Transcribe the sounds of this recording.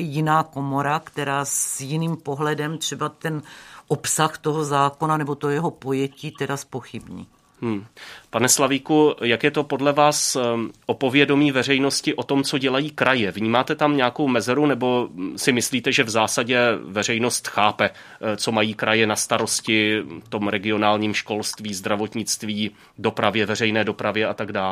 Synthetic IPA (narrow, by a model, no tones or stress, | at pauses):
jɪnaːko̞mo̞ɾakt̪ɛɾaːsjɪniːmpoɦlɛdɛmt̪r̝̥ɛbat̪ɛnʔopsaxt̪oɦozaːko̞nanɛbot̪ojɛɦopo̞jɛciːt̪ɛdaspo̞xɪbɲḭː | mm̩ːpanɛslaviːkujakjɛt̪o̞po̞dlɛvaːsʔopo̞vjɛdo̞miːvɛr̝ɛjno̞scɪʔo̞t̪o̞mt͡so̞ɟɛlajiːkɾajɛvɲiːmaːt̪ɛt̪amɲɛako̞wmɛzɛɾunɛbo̞sɪmɪsliːt̪ɛʒɛvzaːsaɟɛvɛr̝ɛjno̞st̪xaːpɛ | t͡so̞majiːkɾʔajɛnast̪aɾo̞scɪft̪o̞mɾɛɡɪo̞naːlɲiːmʃko̞lst̪viːzd̪ɾavo̞t̪ɲɪt͡st̪viː | do̞pɾavjɛvɛr̝ɛjnɛːdo̞pɾavjɛat̪aɡdaːl